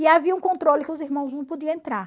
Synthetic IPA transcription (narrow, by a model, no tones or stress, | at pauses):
ɪaviɐũkõnt̪ɾolɪkɪʊziɾmɐ̃w̃znɐ̃w̃pod̪iɐ̃ẽnt̪ɾaɾ